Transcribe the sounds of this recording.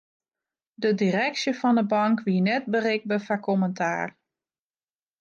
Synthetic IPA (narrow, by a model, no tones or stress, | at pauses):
dədirɛksjəfɔndəbɑŋkʋiənɛt̚bərɪk̚bəfakʰɔməntʰa̰ːr